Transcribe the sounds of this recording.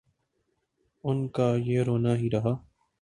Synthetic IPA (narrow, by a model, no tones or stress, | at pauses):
ʊnkaːjeːɾoːnaːɦiːɾəɦaː